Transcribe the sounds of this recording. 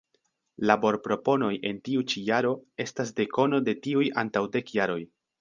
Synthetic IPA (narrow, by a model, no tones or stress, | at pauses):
labo̞ɾpɾo̞po̞no̞jʔe̞ntiut͡ʃijaɾo̞e̞stas̬de̞ko̞no̞de̞tiuja̰ntawde̞kjaɾo̞j